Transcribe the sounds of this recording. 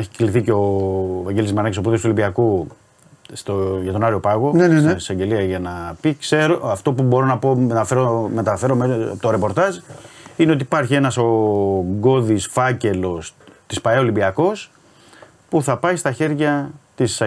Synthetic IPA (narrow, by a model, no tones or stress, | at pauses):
eçikliθiceo̞vɐɲɟelizmɐɾnɐcisoput̪est̪olibiɐku | st̪oʝɐt̪o̞nɐɾio̞pɐɣo̞nneninisɐɲɟe̞liɐʝɐnɐpikse̞ɾoɐft̪o̞pubo̞ɾo̞nɐpo̞eɐfe̞ɾome̞t̪ɐfe̞ɾo̞met̪o̞ɾe̞po̞ɾt̪ɐzine̞o̞t̪ipɐɾçie̞nɐso̞ɡo̞ðisfɐce̞lo̞st̪ispɐeo̞limbiɐko̞s | puθɐpɐist̪ɐçe̞ɾʝɐt̪issɐ